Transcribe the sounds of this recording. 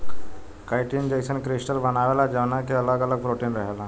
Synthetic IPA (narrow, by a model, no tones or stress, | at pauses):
kaɪʈind͡ʒeɪsənkɾɪsʈəɾbənaːʋelad͡ʒəʋnakeɐləɡələɡ̚pɾoʈiːnɾəɦela